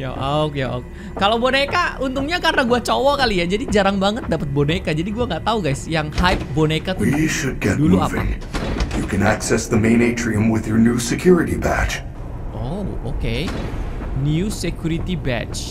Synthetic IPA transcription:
ja̰ʔokjaʔo̰k | kalawbonekaunt̪ʊŋɲakarnaɡuat͡ʃɔwɔkalijad͡ʒadid͡ʒaɾaŋbaŋət̪̚dapət̪̚bonekad͡ʒadiɡuaŋɡaʔt̪auɡajsjaŋhajp̚bonekat̪uwiʃɨd̚ɡɛt̚dulmuapvḭã̰ŋjɨkʰɨ̃næksɛsðəmẽɪ̃neɪt͡ʃʰɹiə̃mwɪðjə˞nusɨkʰj̥ʊɹɨɾibæ̰t͡ʃ | ʔoo̰ke | niusekjuɾit̪ibɛ̰t͡ʃ

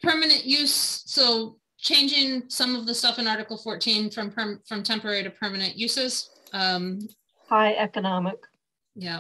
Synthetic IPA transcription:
pʰɜ˞mɨnɨ̃nʔjʉssoʊ | t͡ʃʰẽɪ̃nd͡ʒɪ̃ŋsʌ̃mʌvðəstʌfɨ̃nɑɹɾɨkl̩ˠfɔɹtʰĩnfɹʌ̃mpʰɜ˞fɹʌ̃mtʰɛ̃mpə˞ɛɹiɾɨpʰɜ˞mɨnɨ̃nʔjʉsɪz̥ | ʔʌ̃m | haɪʔɛkənɑmɪk | jæ

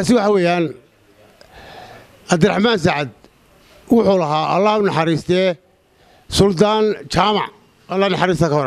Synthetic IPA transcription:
kʰaːsɪwɑħɑwɛːjaːn | ɐbd̪ɪɾra̰ħmaːns̬aʕad̪̚ | wʊħʊːlɐɦaːʔɐlːaːhʊnɑħɑɾiːst̪ʰɛː | sʊld̪aːnt͡ʃaːmɑ̰ʕ | ɐlːaːnɑħɑɾiːst̪ʰɐkʰɐɔɾ

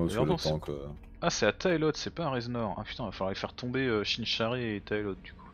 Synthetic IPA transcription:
eɑ̃lɑ̃t̪ɑ̃kø̰ | asɛat̪ʰajlɔt̪sɛpaʁɛznɔʁã̰py̥t̪ɛ̃vafalwʁaʁifɛʁt̪ɔ̃beøʃinʃaʁeːt̪ʰajlɔt̪̚d̪yku̥

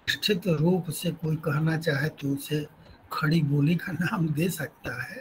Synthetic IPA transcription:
ɪʃʈʰɪt̪ɾuːpsekoːikɐɦnat͡ʃaːɦet̪oʊse | kʰɐɽiboːlikanaːmd̪eːsɐk̚t̪aɦɛː

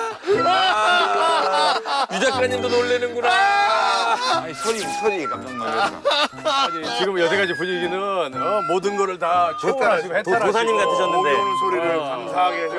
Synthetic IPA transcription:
jud͡ʑakʰɯɾeɲindonoɭːinɯnɡuɾa | sʰoɾisʰoɾikat͡ɕ͈ʌnːa | d͡ʑit͡ɕiɡɯmjʌd͡ʑeɡad͡ʑipuɲiɡinɯnʌmodɯnɡʌɾɯɭtat͡ɕʰad͡ʑietosʰaɲimɡatʰɯɕʰʌnːɯndesʰoɾiɾɯɭkaŋsʰaɡe

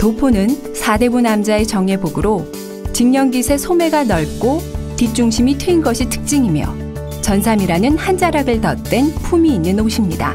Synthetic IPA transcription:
topʰonɯn | sʰade̞bunamd͡ʑae̞t͡ɕʌŋe̞boɡɯɾo | t͡ɕiŋɲʌnɡisʰe̞sʰome̞ɡanʌɭk͈otit͡ɕ͈uŋɕʰimitʰɯinɡʌɕʰitʰɯ̥k̚t͡ɕ͈iŋimjʌ̰ | t͡ɕʌnsʰamiɾanɯnhand͡ʑaɾaɡɯɭtʌt̚t͈we̞npʰumiːnːɯnoɕʰimɲida̰

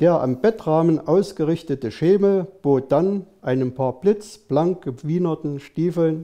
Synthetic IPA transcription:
d̥eːɐʔa̰mbɛtʁaːmənʔaʊsɡ̥əʁɪçtətəʃeːməl̩b̥oːt̚d̥anʔaɪnəmpʰaːɐb̥lɪt͡sb̥laŋk̚ɡ̥əv̥iːnɐtn̩ʃtiːfl̩n

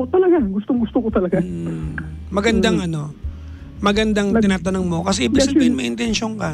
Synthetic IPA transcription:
ot̪ɐlɐɡaɡʊst̪oŋɡʊst̪okot̪ɐlɐɡa | mɐɡɐnd̪aŋʔɐno̞ | mɐɡɐnd̪aŋt̪ɪnaːt̪ɐnoŋmo̞kɐsɛʔɪbɪsɐbiːhɪnmɐjʔɪnt̪ɛnʃoŋkɐ

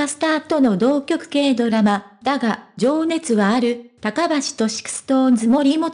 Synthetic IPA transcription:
asɨ̥t̪aːt̪o̞no̞d̪o̞ːkʲo̞kɯ̟̥ke̞ːd̪o̞ɾamad̪aɡad͡ʑo̞ːne̞t͡sɨɡaːɾɯ̟t̪akabaɕi̥t̪o̞ɕi̥kɯ̥sɨ̥t̪oːzɨmo̞ɾʲimo̞

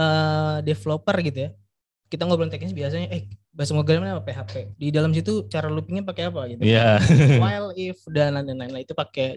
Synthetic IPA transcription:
əːdeflopərɡit̪uja | kit̪aŋɡabolaŋt̪eknɪsbias̬aɲaʔɛbasamoɡɾɛmnapapeɦapedidalams̬it̪ut͡ʃaɾalupiŋɲapakeapad͡ʒat̪jawajlifdananananait̪upake

